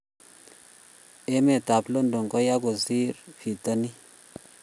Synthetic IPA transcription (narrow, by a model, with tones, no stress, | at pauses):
e˦me˨ta˨plo˦ndo˨ŋko˦ja˦ɡo˨si˦ɾfi˨ta˦ni˦